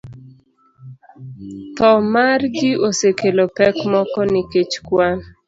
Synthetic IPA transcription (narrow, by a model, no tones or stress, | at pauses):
t̪ɔmarɡɪʔosekelopɛkmɔkɔnɪket͡ʃkwan